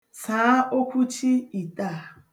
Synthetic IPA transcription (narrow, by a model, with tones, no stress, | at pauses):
sãː˨˦ʔo˦kʰu˦t͡ʃʰi˦i˨tʼa˨